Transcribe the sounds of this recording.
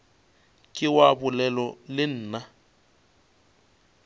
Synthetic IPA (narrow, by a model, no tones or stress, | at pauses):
kʼɪwabʊlɛlɔlɪn̩ːna